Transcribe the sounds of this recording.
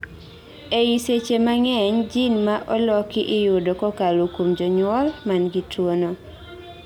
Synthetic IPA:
eiset͡ʃemaŋɛɲd͡ʒinmaʔɔlɔkɪʔɪjʊdokɔkalokomd͡ʒɔɲwɔlmanɡitwono

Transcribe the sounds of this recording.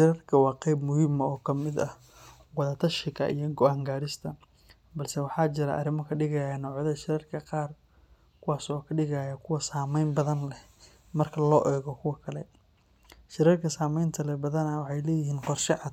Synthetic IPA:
ʃɪɾɐrkʰɐwɑːqɛjbmʊhɪmɐɔːkʰɐmɪd̪ɐ | wɑðɐt̪ʰɐʃɪɣɐ̰ʔḭjɔɡɔaːŋɡaːɾɪst̪ʰɐ | bɐlsɛwɑħɑːt͡ʃɪɾɐ̰ʔɐ̰ɾɪmɔkʰɐɖɪɣɐjaanɔːʕðɐʃɪɾɐrkʰɐqɑːr | kʰʊwɑːsɔːkʰɐɖɪɣajɐkʰʊwɐsaːmɛjnbɐðɐnlɛ | mɐrkʰɐlɔːʔɛːɣɔkʰʊwɐkʰɐlɛ | ʃɪɾɐrkʰɐsaːmɛjnt̪ʰɐlɛbɐðɐnɐwɑħɑjlɛːjɪɦiːnqɔrʃɪʕɑd̪

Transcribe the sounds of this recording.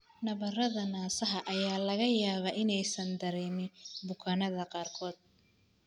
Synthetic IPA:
nɐβɐrɐðɐnaːsɐɦɐʔɐjaːlɐɣɐjaːβɐːʔɪnɛjsɐnd̪ɐɾɛːmɪnbʊkʰaːnɐðɐqɑːrkʰɔːd̪̚

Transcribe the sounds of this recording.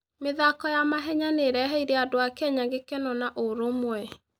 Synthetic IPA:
meðakɔjamaɦɛɲaneɾɛɦɛiɾeadoakɛɲaŋɡekɛnɔnaʔoɾomwɛ

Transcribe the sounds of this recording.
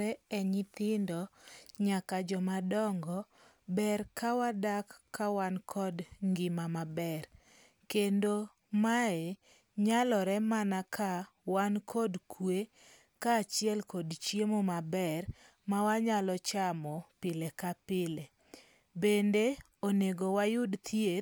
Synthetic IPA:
ɛɛɲɪt̪ɪndɔɲakad͡ʒɔmadɔŋɡɔ | bɛɾkawadakːawankʰɔdŋɡɪmamabɛr | kendo | mae | ɲalɔɾɛmanakʰa | wankʰɔdkʰwe | kaːt͡ʃjɛlkɔdt͡ʃjemomabɛr | mawaɲalɔt͡ʃamɔpɪlekapɪle | bende | oneɡowajʊdt̪ʰjet

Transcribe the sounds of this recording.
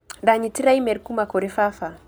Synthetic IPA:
daɲitiɾajmɛɾkumakɔɾɛfafa

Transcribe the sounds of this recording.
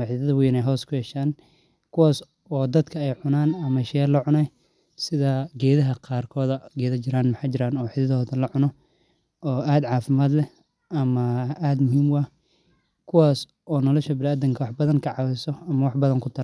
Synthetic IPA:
ħɪðɐðɐwiːnɛjɦɔːskʰʊhɛʃaːn | kʰʊwaːs | ɔːd̪ɐd̪kʰɐɛjʕʊnaːnɐmɐʃɛːlɐʕʊnɛj | sɪðɐɡɛːðɐɦɐqɑːrkʰɔːðɐɡɛːðɐt͡ʃɪɾaːnmħɑjt͡ʃɪɾaːnɔːħɪðɐðɔːðɐlɐʕʊnɔ | ɔːʔaːd̪ʕɑːfɪmaːd̪lɛ | ɐmɐʔaːd̪mʊɦiːmwɑ | kʰʊwaːs | ʔɔːnɔlɔʃɐbɪlaːd̪ɐŋkʰɐwɑħbɐðɐŋkʰɐʕɑwɛjsɔɐmɐwɑħbɐðɐŋkʰʊt̪ʰɐ

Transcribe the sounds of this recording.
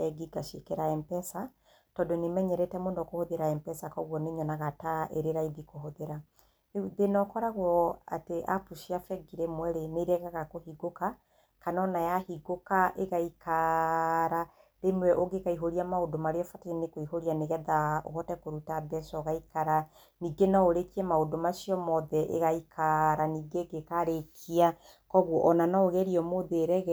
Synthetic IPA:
ɛɡiɡaʃekɛɾaɛmpɛsa | tɔdonemɛɲɛɾɛtɛmoːndɔkohoðeɾaɛmpɛsakɔɣwɔneɲɔnaɣataʔeɾeɾaiðikoɦoðeɾa | ðenɔkɔɾaɣwɔa̰teʔa̰puʃiafɛɡiɾemwɛɾeneɾɛɣaɣakohiɡoka | kanɔnajahiɡokaʔeɣaika | ɾaɾemwɛʔoɡekaiɦoɾiamaodomaɾeɔfatainekoiɦoɾianeɣɛðaɔ̰ɣɔtɛkoɾutaðɛsɔɣaikaɾa | niɡenaoɾekiɛmaodomasiɔmɔðɛʔḛɣaikʰaɾaniːɡeɡekaɾekʰia | kɔɣɔʔɔnanaoɣɛɾiɔmoðeɾɛɣɛ

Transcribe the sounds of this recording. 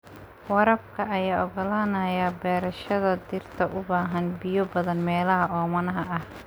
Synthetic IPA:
wɐɾɐb̚kʰɐʔɐjaːʔɔɣɔlaːnɐjabɛːɾɐʃɐðɐd̪ɪrt̪ʰɐʔʊbaːɦɐnbɪjɔbɐðɐnmɛːlɐɦɐʔɔːmɐnɐɦɐʔɐh

